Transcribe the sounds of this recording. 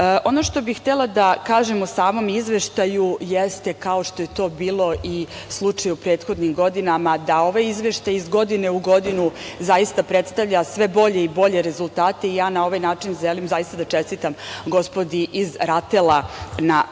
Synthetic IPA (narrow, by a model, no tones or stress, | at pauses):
ʔo̞no̞ʃt̪o̞bixt̪elˠad̪akaːʒemosaːmo̞mizʋeʃt̪ajujest̪e̞kao̞ʃt̪o̞je̞t̪o̞ːbiːlˠo̞ʔislˠut͡ʂajupɾe̞ːt̪xo̞d̪nimɡo̞d̪inamad̪ao̞ʋajizʋeʃt̪ajizɡo̞d̪ine̞uɡo̞d̪inuzaist̪apɾe̞t̪st̪aʋʎasʋe̞bo̞ʎe̞ibo̞ʎe̞ɾe̞zulˠt̪aːt̪e̞ijaːnao̞ʋajnaːt͡ʃinʒelimzajist̪ad̪at͡ʃe̞st̪it̪amɡo̞spo̞d̪iʔizɾat̪elana